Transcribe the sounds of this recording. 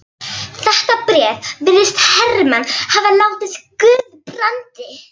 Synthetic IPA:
θɛht̪apɾɛːðvɪɾðɪst̪hɛrːɪmanːhavalaːwt̪ɪθkʏðpɾant̪ɪ

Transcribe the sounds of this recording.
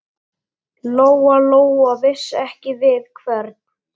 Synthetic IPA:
loːwaloːwavɪsːɛhcɪvɪðkʰvɛɾt̪̚n̥

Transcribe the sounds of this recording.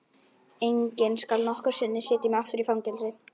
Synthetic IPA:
ejɲcɪnskalnɔhkaɾ̥sɪnːɪ̥sɪːt̪imɛaft̪ʏɾifɾawŋcɛlsɪ

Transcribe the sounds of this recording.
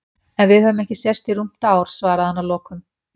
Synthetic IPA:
ɛnvɪðhœvʏmɛhcɪsɛst̪irum̥t̪aːwɾ̥svaːɾaðhanːalɔːkʏm

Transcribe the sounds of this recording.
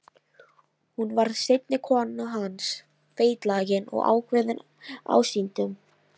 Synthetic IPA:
hunvaɾðsɪjt̪nɪkʰɔnːaɦans | feːjt̪laːjɪnɔ̰ɣa̰ːwkʰvɛːðɪn | a̰wsint̪ʏm

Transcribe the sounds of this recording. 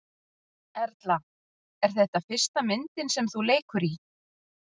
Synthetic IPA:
ɛɾt̪la | ɛɾ̥θɛht̪afɪr̥st̪amɪnt̪ɪnsɛmθuleːjkʏɾi

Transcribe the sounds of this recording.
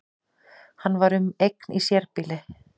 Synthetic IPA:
hanːvaɾʏmejk̚nisjɛɾpɪlɪ

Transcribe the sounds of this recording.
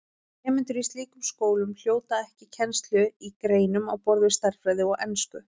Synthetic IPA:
ɛːmɪnt̪ʏɾist̪liːkʏmskoːwlʏml̥joːwt̪aɛhcɪcʰɛnst̪lʏikɾeːjnʏmawpɔɾðvɪ̥st̪ar̥fɾaːjðɪɔɣɛnskʏ

